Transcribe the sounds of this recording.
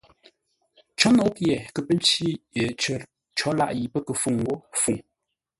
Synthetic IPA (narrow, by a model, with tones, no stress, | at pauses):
t͡ʃɔ˨˦nɔ˨˦pɛ˨kə˨pə˦n˦t͡ʃi˦ə˨t͡ʃə˨˦ | t͡ʃɔ˨˦la̰˦ʔji˨pə˦kə˨fu˨ŋ˨ɡo˦fu˨ŋ